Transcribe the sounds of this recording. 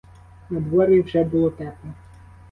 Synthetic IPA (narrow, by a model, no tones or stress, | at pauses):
nɐd̪ʋɔɾʲjiwʒɛbʊlˠɔt̪ɛp̪ɔ